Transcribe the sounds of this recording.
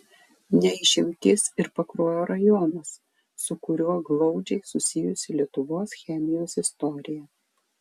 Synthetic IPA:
nʲɛɪʃʲɪmʲt̪ʲɪsɪɾpɐkɾoːjoːɾɐjɔnɐsː | ʊkʊɾʲuɔɡlˠɒʊd͡ʒʲɛɪsʊsʲɪjʊsʲɪlʲiɛt̪ʊʋoːsxʲɛmʲɪjoːsɪst̪ɔɾʲɪjɛ

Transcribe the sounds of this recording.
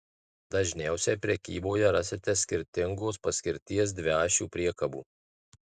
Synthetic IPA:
d̪ɐʒʲnʲæˑʊsʲɛpʲɾʲɛkʲiːboːjɛɾɑsʲɪt̪ʲɛsʲkʲɪɾʲt̪ʲɪŋɡoːspɐsʲkʲɪɾʲt̪ʲiɛs̬d̪ʲʋʲæːʃʲuːpʲɾʲiɛkɐbṵː

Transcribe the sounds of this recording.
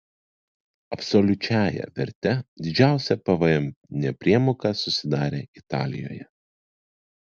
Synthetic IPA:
ɐpsɔlʲʊt͡ʃʲæːjɛ̰ʋʲɛ̰ɾʲt̪ʲɛd̪ʲɪd͡ʒʲæˑʊsʲɛpɐʋɐɛmnʲɛpʲɾʲiɛmoːkɑsʊsʲɪd̪ɑːɾʲḛːɪt̪ɑːlʲɪ̰jo̰ːjɛ

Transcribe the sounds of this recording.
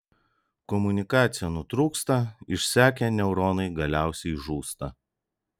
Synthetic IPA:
kɔmʊnʲɪkɑːt̪sʲɪjɛnʊt̪ɾuːkst̪ɐɪʃʲsʲæːkʲɛnʲɛʊɾoːnɐɪɡɐlʲæˑʊsʲɛɪʒuːst̪ɐ

